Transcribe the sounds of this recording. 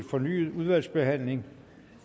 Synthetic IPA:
fɒ̽ny̰ːuðˠʋæl̰sb̥e̝ɦæn̰le̝ŋ

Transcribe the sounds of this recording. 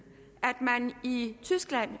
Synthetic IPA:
ʔæd̥mænit͡sʰysɡ̥læn̰

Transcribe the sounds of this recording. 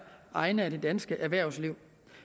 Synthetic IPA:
ʔɑ̈ɪnəæɾ̥e̝d̥ænsɡ̥əʔæɐʋæɐ̰ʊsliʊ̰

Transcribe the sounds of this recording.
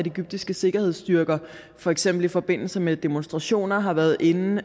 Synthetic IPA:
æd̥ie̝ɡyb̥̚d̥isɡ̥əse̝ɡ̥ɐhe̝ð̞̰ˠsd̥yɐɡ̥ɐ | fɒ̽eɡ̥sem̰b̥l̩ifɒ̽b̥e̝n̰l̩səmed̥e̝monsd̥ʁɑ̈ɕo̝̰ːnɐɦɑ̈ʋæɐð̞̩ˠʔe̝nn̩

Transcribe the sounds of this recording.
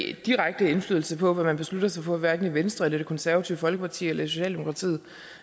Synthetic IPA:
d̥iʁaɡ̥̚d̥əe̝nflyːðˠl̩səpʰɒ̽ʋæmænb̥e̝slud̥ɐs̬ɑ̈ɪfʰɒ̽æʋæɐɡn̩iʋensd̥ʁɛded̥ekʰɒ̽nsæɐʋæt͡sʰiʊfɒ̽lɡ̥əpʰɑ̈t͡sʰḭːɐelɐisoɕɛ̰ːld̥e̝mo̝kʰʁɑ̈t͡sʰḭːð̩ˠ

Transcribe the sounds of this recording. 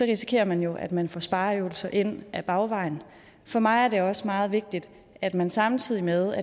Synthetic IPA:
sɒ̽ʁisi̥kʰe̝̰ːɐmænjo̝ʔæd̥mænfɒ̰ːsb̥ɑ̈ːøʊl̩sɐʔe̝n̰ʔæb̥ɑ̈ʊʋɑ̈ɪn | fɒ̽mɑ̈ɪæɐɾe̝ɒ̽səmɑ̈ːð̞̩ˠʋe̝ɡ̥̚d̥id̥ | æd̥mænsɑ̈mt͡sʰið̞̰ˠimeðˠæ

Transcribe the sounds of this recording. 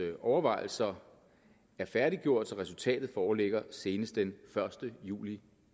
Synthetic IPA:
ʔɒʊɐʋɑ̈ɪl̩sɐ | æɐfæɐɾiɡ̥jo̝ɐ̰d̥sɒ̽ʁɛsult͡sʰɛ̰ːd̥ð̩ˠfɒːleɡ̥ɐse̝ːnəsd̥enfɶɐsd̥əjṵːli

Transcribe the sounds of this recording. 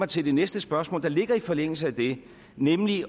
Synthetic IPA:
ɑ̈ɪt͡sʰe̝ld̥e̝nesd̥əsb̥ɶɐsmɔ̰ːld̥ɑ̈le̝ɡ̥ɐifɒ̽leŋ̰l̩s̬əæd̥e̝ | nemli

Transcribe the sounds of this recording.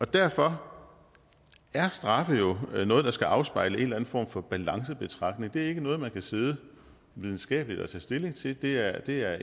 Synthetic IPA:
ʔɒ̽d̥æɐfɒ̽ | æɐsd̥ʁɑ̈fðjo̝nɔ̽ːð̞̩ˠd̥ɑ̈sɡ̥æʔɑ̈ʊsb̥ɑ̈ɪləe̝nlæn̩fɒ̰ːmfɒ̽b̥ælɑ̈ŋsəb̥e̝t͡sʰʁɑ̈ɡ̥ne̝ŋd̥e̝æɐe̝ɡ̥ənɔ̽ːð̩ˠmænkʰæse̝ːð̞ˠə | ʋið̞ˠn̩sɡ̥ɛ̰ːb̥əlid̥ɒ̽t͡sʰɛ̰ːsd̥e̝le̝ŋt͡sʰe̝d̥e̝æɐd̥e̝æɐ

